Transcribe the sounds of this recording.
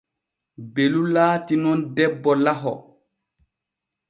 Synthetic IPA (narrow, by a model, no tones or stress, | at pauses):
belulaːtinɔndɛbːɔlaɦɔ